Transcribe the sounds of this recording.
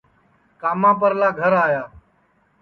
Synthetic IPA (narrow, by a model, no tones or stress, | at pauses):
kaːmãːpəɾlaːɡʱəɾaːjaː